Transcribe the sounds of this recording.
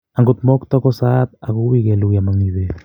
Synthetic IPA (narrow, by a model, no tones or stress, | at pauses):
aŋɡot̪mɔkt̪ɔkɔsat̪̚akowikɛlukjamaŋiðe